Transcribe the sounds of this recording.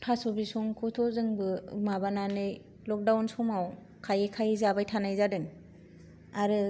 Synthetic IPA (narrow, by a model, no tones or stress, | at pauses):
pʰasɔbisɔŋkʰutʰɔzɯŋbɯ̰mabananɯj | lɔk̚dawnsɔmaw | kʰajekʰajzabajtʰanajzadɯŋ | aɾɯ